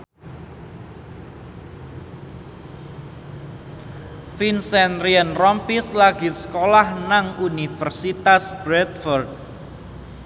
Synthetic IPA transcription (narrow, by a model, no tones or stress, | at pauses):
finsɛnriənrɔmpislaɡ̥i̤sə̥kolahnaŋunifərsit̪asb̥ɾɛt̪fɔrd̪̚